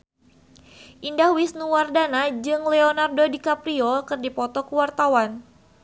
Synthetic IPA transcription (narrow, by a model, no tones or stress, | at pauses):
ʔindahwisnuwardanad͡ʒɨŋlɛonardodikapɾiokɨrdipɔt̪ɔkuwart̪awan